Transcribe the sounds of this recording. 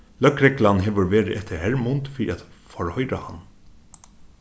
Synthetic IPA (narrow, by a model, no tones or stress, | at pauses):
lœkɾɛklɑnɦeːʋəɾʋeːɾəʔɛt̪ʰəɾhæɹmʊnd̪fḭʔɑt̪fɔɹhœʏɾəhɑn